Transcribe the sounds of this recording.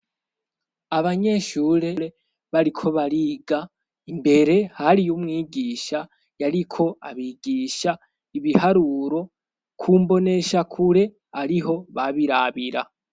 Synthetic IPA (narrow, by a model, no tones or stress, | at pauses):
aβaɲe̞ʃuɾe̞ɾe̞ | βaɾikʰo̞βaɾiːɡa | imbe̞ɾe̞haɾijumŋiːɡiːʃa | jaɾikʰo̞a̰βiɡiːʃa | iβihaɾuɾo̞ | kʰuːmbo̞ne̞ʃakʰuɾe̞ | aɾiɦo̞βaβiɾaβiɾa